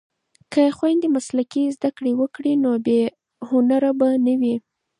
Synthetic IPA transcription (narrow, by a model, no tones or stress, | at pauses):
kəxwajnd̪emaslakizd̪akɽewəkɽinobe | hʊnaɾabanəwi